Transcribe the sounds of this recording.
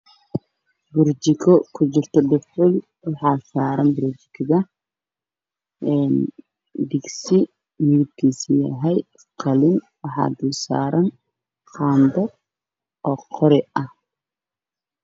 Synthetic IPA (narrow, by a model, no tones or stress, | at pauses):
bʊrt͡ʃɪkʰɔkʰʊt͡ʃɪrt̪ʰɔɖɪfʊl | wɑħɑːsaːɾɐnbʊɾt͡ʃɪ̥kʰɪðɐ | ʔɛːn | ɖɪɡsɪ | mɪɪb̪̚kʰiːsijɐɦɛj | qʰɐlɪn | wɑħɑ̰ːd̪ʊːsa̰ːɾɐn | qɑːnd̪ɐ | ɔːqʰɔɾɪɐh